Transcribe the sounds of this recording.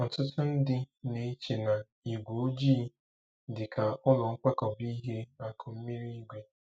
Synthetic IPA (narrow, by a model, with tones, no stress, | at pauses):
n̩˨tʊ˦tʊ˦n̩˦dɪ˦ne˨˦t͡ʃe˨na˨ | i˨ɡʷo˨˦d͡ʒiː˦ | dɪ˨kʰa˨ʊ˦lʊ˨ŋ̩˦kʷe˦kɔ˨bi˦ɦe˦a˦kʰʊ˨m̩˦mi˦ɾi˦ɡʷe˦